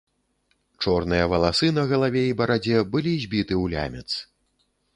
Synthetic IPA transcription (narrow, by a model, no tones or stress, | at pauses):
t͡ʂɔrnɨjɐvɐlˠasɨnɐɣɐlˠavʲɛibɐɾad͡zʲɛbɨlʲizʲbʲit̪ɨwlʲa̰mʲɛt̪s